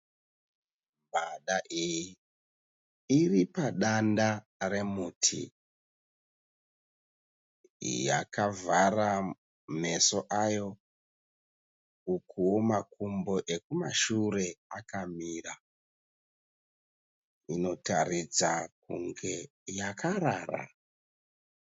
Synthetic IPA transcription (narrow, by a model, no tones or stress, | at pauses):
baɗaʔiji | iripaɗanda | re̞mutʰḭ | ja̰kavara | me̞so̞ʔajo̞ | ukuwo̞makumbo̞ʔe̞kumaʃure̞akamiːra | ino̞tarid͡zakṵŋɡe̞ | jakʰaɾaːra̰